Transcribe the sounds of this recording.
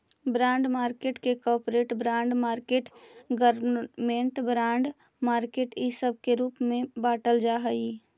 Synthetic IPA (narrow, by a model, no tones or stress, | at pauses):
bɾãːɳɖmaːɾkeːʈkekɔːpɾeːʈbɾãːɳɖmaːɾkeːʈɡəɾmẽɳʈbɾãːɳɖ | maːɾkeːʈisəb̚ʱkeɾuːpmẽbaːʈəld͡ʒaɦəi